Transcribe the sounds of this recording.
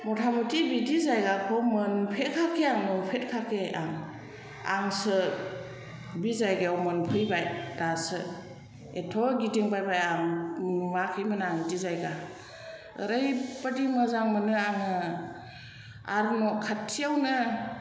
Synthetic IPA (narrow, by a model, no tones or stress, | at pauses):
mɔtʰamutibidizajɡakʰɔmɯnpʰekʰakʰeaŋmɯnpʰet̚kʰakʰeaŋ | aŋsɯ | bizajɡeawmɯnpʰɯjbajdasɯ | etʰɔɡidiŋbajbajaŋnumakʰɯjmɯnɯaŋdizajɡa | ə̰ɾajpadimɯzaŋmɯnɯaŋɯ | a̰ɾnɔkʰatʰːijawnɯ